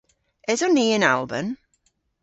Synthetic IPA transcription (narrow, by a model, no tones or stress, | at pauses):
ɛzɔnːiːəna̰lˠbə̰m